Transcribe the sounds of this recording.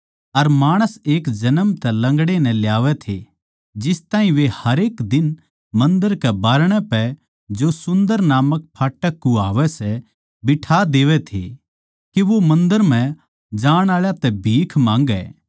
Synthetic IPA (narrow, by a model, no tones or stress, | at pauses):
ɐɾmaːɽ̃əseːkd͡ʒɐnəmt̪ɛlɐ̃ŋɡɽenɛ̃ljaːʋɛt̪ʰe | d͡ʒɪst̪ãːɦĩʋehɐɾeːkd̪ɪn | mɐ̃nd̪əɾkɛbaːɾɽ̃ɛpɛ | d͡ʒosʊ̃nd̪əɾnaːmək̚pʰaːʈəkːuaːʋɛsɛ | bɪʈʰaːd̪eːʋɛt̪ʰḛ | keʋomɐ̃nd̪əɾm̤ɛ̃ | d͡ʒaːɽ̃aːɭjat̪ɛbʱiːkʰmãːŋɡɛ̰ː